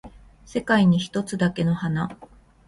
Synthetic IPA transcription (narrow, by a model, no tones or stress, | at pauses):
se̞kaiɲ̟içi̥t̪o̞t͡sɨd̪ake̞no̞hana